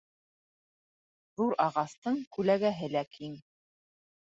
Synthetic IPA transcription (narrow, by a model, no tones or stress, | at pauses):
ðuɾɑʁɑst̪ɤɴkʉlæɡæɦɘlækʰiŋ